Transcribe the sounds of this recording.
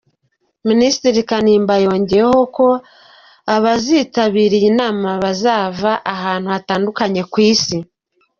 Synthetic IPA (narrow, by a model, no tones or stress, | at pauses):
ministɾiɾikaniːmbajo̞ːɲɟe̞ɾeho̞ko̞ | aβaziːtaβiːɾijinaːmaβazaːvaʔaɦaːn̥huataːndukaɲe̞kwiːsi